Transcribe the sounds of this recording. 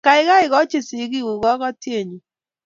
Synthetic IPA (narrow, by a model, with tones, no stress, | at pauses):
ka˨ɪ˦ɣa˦ɪ˨ɣɔ˦t͡ʃɪ˦˨si˨˦ɣi˦ɣu˨ɣɔ˦ɣɔ˦tje˦˨ɲu˨